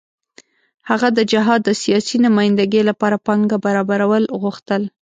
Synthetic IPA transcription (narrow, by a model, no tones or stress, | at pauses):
haɣad̪əd͡ʒɪɦɑd̪ːəsijɑsinʊmɑjɪnd̪aɡəlapɑɾapɑŋɡabaɾɑbaɾawəlɣuxt̪əl